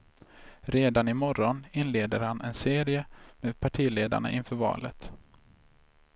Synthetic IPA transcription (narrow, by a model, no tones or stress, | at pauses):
ɾeːd̪anɪmɔɾɔnɪnleːd̪əɾhanʔɛnseːɾɪəmeːd̪pʰaʈʰiːleːd̪a̰ɳa̰ʔɪnfœːɾvɑ̰ːlə̰t̪